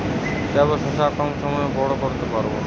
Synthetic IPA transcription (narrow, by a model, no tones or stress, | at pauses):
d͡ʒɛboʃoʃakɔmʃɔmɔebɔɽokoɾt̪epaɾbo̰